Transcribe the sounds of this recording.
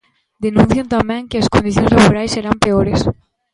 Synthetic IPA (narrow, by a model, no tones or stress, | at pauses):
d̪enũn̟θjont̪amẽŋkeaskõnd̪iθjonzlaβoɾajsːeɾampeoɾes